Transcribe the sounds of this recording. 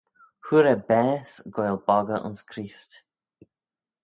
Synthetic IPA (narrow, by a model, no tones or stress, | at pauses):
huɾɛbɛːsɡojlbɔɡəʔʊ̰nskʰɾiːst